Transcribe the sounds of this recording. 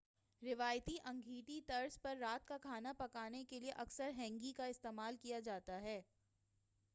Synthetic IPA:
ɾɪʋaːjt̪iʔɐ̃ŋɡʱiːʈ̪it̪ɐɾspɐɾːaːt̪kakʰaːnapɐkaːnekelieʔɐksəɾɦɛ̃ːŋɡikaɪst̪eːmaːlkijad͡ʒaːt̪aɦɛː

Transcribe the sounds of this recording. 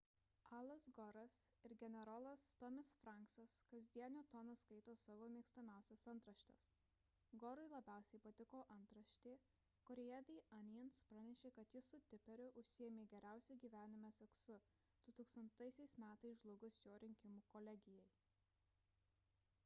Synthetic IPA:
ɑːlˠɐsɡɔɾɐsɪɾɡʲɛnʲɛɾɔlˠɐst̪ɔmʲɪsfɾɑˑŋksɐskɐzʲd̪ʲiɛnʲoːt̪ɔnoskɐɪt̪oːsɑʋoːmʲiːkst̪ɐmʲæˑʊsʲɛsɐnt̪ɾɐʃʲt̪ʲɛs | ɡɔɾɔɪlˠɐbʲæˑʊsʲɛɪpɐt̪ʲɪkoːʔɐnt̪ɾɐʃʲt̪ʲeː | kɔɾʲɛjæd̪ʲɪɐnʲjɛnspɾɐnʲɛʃʲeːkɐt̪jɪsʊt̪ʲɪpʲɛɾʲʊʔʊʃʲsʲɪjɛmʲeːɡʲɛɾʲæˑʊsʲuɡʲiːʋʲæːnʲɪmʲɛsʲɛksʊ | d̪̥ʊt̪uːkst̪ɐnt̪ɐɪsʲɛɪsmʲæːt̪ɐɪsʒlˠʊɡʊsjoːɾʲɪŋʲkʲɪmuːkoːlʲɛɡʲɪjɛɪ

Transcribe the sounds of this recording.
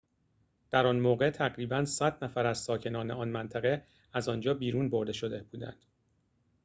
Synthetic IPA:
d̪̥æɾɒnmoːɣe̞t̪ʰæɣɾiːbænsæd̪næfæɾæz̥sɒːcʰe̞nɒːneɒnmænt̪ʰæɣe | æzɒnd͡ʒɒːbiːɾuːnbo̞ɾd̪e̞ʃo̞d̪ebuːd̪æ̰nd̪̥

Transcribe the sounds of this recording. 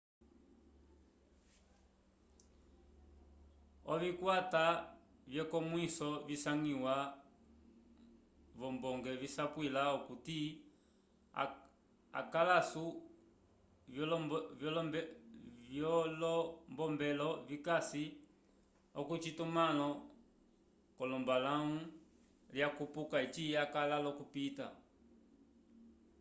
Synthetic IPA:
ɔvikwatavjɛkɔmwisɔvisaŋiwa | vɔmbɔŋɡɛvisapwilaɔkuti | a̰kalasu | vjɔlɔvjɔlɔmɛvjɔlɔmbɔmbɛlɔvikasi | ɔkut͡ʃitumalɔ | kɔlɔmbalaŋu | ljakupukait͡ʃiakalalɔkupita̰

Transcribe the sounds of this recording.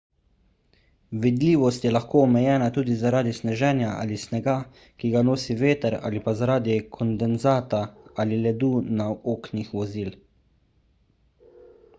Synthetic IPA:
ʋid̪liːʋɔst̪jɛlaxkoːɔmɛjɛːnat̪uːd̪izaɾaːd̪isnɛʒɛːnjaʔa̰lisnɛɡa | kiɡanoːsiʋeːt̪əɾa̰ːlipazaɾaːd̪ikʰɔnd̪ɛnzaːt̪aalilɛd̪uːnaoːknixʋɔziːl

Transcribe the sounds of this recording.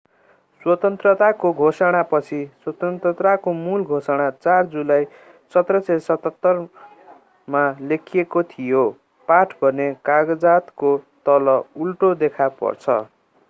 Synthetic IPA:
swʌt̪ʌnt̪rʌt̪akoɡʱosʌɽ̃apʌt͡sʰiswʌt̪ʌnt̪ʌt̪ɾakomulɡʱosʌɽ̃at͡sard͡zulaj | sʌt̪rʌsesʌt̪ʌt̪ːʌr | malekʰijekot̪ʰijo | paʈʰbʱʌnekaɡʌd͡zat̪kot̪ʌlʌulʈod̪ekʰapʌ̰rt͡sʰʌ̰

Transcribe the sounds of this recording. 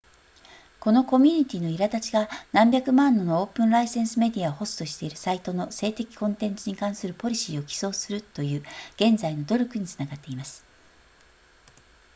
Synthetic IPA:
ko̞no̞ko̞mʲiɲ̟it̪ʲiːno̞iɾat̪at͡ɕiɡanãmbʲjakɯ̟mãnːo̞nooːpɯ̟̃nɾaisẽ̞ɰ̃sɨme̞d̪ʲiaoho̞sɨ̥t̪o̞ɕi̥t̪e̞iɾɯ̟sait̪o̞no̞se̞ːt̪e̞kʲi̥kõ̞nt̪ẽ̞nt͡sɨɲ̟ikãɰ̃sɨɾɯ̟po̞ɾʲiɕiːo̞kʲi̥so̞ːsɨɾɯ̟t̪ːo̞jɯ̟ːɡ̥ẽ̞nd͡zaino̞d̪o̞ɾʲokɯ̟ɲ̟it͡sɨ̥naɡat̪ːe̞imasɨ̥

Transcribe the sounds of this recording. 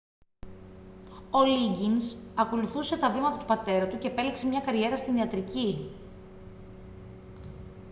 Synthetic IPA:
o̞liɲɟinsɐko̞luθuse̞t̪ɐvimɐt̪ɐt̪upɐt̪e̞ɾɐt̪uce̞ːpe̞likse̞mɲɐkɐɾʝe̞ɾɐst̪iniɐt̪ɾici

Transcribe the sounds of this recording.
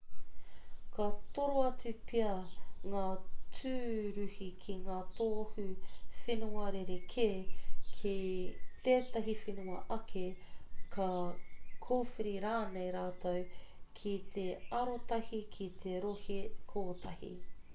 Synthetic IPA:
kɐt̪oɾoɐt͡sʉpʰiɐŋaːt͡sʉːɾʉhikʰiŋaːt̪oːhʉfenuɐɾeɾekʰeːkʰit̪eːt̪ɐɦifenuɐʔɐkʰekʰɐ | kʰoːfiɾiɾaːnejɾaːt̪ɐwkʰit̪eɐɾot̪ɐhikʰit̪ʰeɾohekʰoːt̪ʰɐhḭ

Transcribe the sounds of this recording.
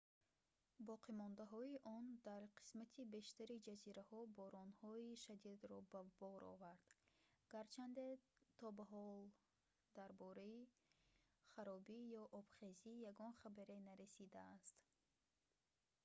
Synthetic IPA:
bɔqʰimɔnd̪aɦɔiʔɔnd̪aɾqʰi̥smat̪ʰibe̞ʃt̪aɾid͡ʒaziɾahɔbɔɾɔnhɔiʃad̪id̪ɾɔbabɔɾɔ̰vaɾd̪̥ɡ̥aɾt͡ʃʰand̪e̞t̪ʰɔbaɦɔl | d̪aɾbɔɾai | χaɾɔbijɔʔɔb̥χezijaɡɔnχabaɾenaɾesid̪aːst̪

